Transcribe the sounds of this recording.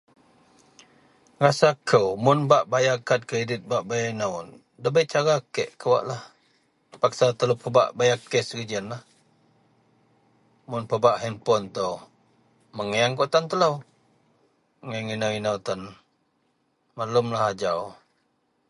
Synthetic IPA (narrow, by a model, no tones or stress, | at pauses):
rasakʰəwmʊnbaʔbajakat̪̚kɾedɪt̪̚baʔbajainəw | dəbəʔt͡ʃaɾakɛʔkəwa̰ʔlah | pak̚sat̪ələpəba̰ʔbajakɛsrid͡ʒənlah | mʊnpəbaʔhɛnpɔnt̪əw | məŋəjaŋkoʔt̪ant̪ələw | ŋəŋinəwinəwt̪an | malʊmlahad͡ʒaʊ